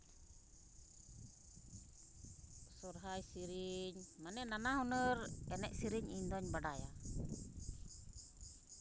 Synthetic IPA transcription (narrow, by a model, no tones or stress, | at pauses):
sɔɾɦajsiɾiɲmanɛnanaɦɔnəɾɛnɛʔ̚siɾiɲiɲd̪ɔɲbaɖaja̰